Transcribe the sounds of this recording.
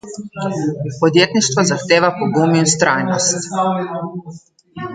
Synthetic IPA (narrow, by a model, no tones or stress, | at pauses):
pɔd̪jeːt̪niʃt̪ʋazaxt̪eːʋapoɡuminst̪ɾʔajnɔst̪